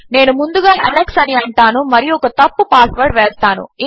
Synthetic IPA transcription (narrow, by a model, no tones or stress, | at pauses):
ne̞ːnumund̪uɡaːʔɐleksɐniɐɳʈaːnumɐɾijɔkɐt̪ɐpːupaːsʋɐɾɖʋeːst̪aːnṵi